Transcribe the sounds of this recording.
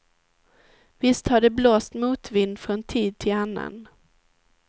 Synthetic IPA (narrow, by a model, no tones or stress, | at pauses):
vɪst̪haɖɛbloːst̪muːt̪vɪnːfɾɔnt̪ʰiːd̪̚t̪ʰɪlanːa̰n